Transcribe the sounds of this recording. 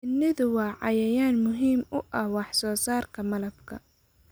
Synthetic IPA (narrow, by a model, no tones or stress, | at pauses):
ɪnːɪðʊwɑːʕɑ̰jɐjaːnmʊɦiːmʊʔɐhwɑħsɔːsaːrkʰɐmɐlɐbkʰɐ̰